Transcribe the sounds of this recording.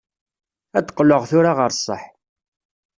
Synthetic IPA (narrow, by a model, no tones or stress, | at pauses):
æd̪qːləʁθʊɾaʁəɾsˤːə̰ħ